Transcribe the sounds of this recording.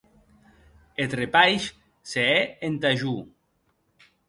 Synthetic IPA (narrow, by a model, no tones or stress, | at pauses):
et̪repajʃ | seɛent̪aʒu